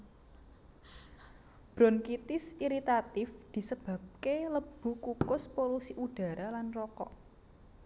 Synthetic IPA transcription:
b̥ɾɔnkit̪ɪsiɾit̪at̪ɪfd̪̥i̤səb̥a̤b̚keləb̥ṳkukʊspolusiʔuɖ̥a̤ɾalanrɔkɔʔ

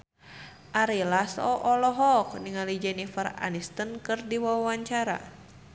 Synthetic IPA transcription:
ʔaɾilasɔ̰ʔɔlɔɦɔk̚niŋalid͡ʒɛnifəra̰nist̪ənkɨrdiwawawaɲt͡ʃaɾa̰

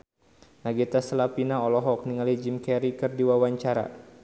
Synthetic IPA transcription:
naɡit̪asəlapinaɔlɔɦɔk̚niŋalid͡ʒimkɛɾikɨrdiwawaɲt͡ʃaɾa̰

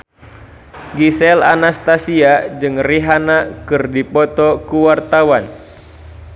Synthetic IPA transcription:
ɡisɛlanast̪asiad͡ʒɨŋriɦanakɨrdipɔt̪ɔkuwart̪awan

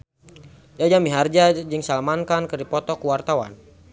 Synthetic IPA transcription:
jad͡ʒamiɦard͡ʒad͡ʒɨŋsalmankankərdipɔt̪ɔkuwart̪awa̰n

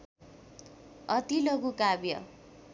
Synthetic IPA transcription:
ʌt̪iloɡukabjʌ̰

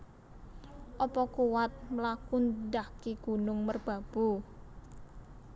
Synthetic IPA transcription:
ʔɔpɔkuwat̪̚məlakund̪akiɡ̥ṳnʊŋmərb̥ä̤b̥ṳ

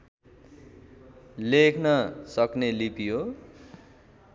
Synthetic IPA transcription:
lekʰnʌsʌknelipjo

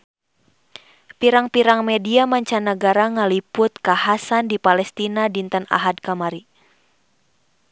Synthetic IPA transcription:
piɾaŋpiɾaŋmɛdiamaɲt͡ʃanəɡaɾaŋalipʊt̪̚kahasandipalɛst̪inadint̪əna̰ɦad̚kamaɾi

